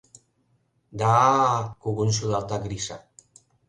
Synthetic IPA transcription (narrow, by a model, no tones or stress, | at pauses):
d̪akuɣunsuðalt̪aɡɾiʃa